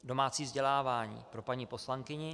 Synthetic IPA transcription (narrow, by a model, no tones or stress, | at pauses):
do̞maːt͡siːvzɟɛlaːvaːɲḭːpɾo̞paɲiːpo̞slaŋkɪɲɪ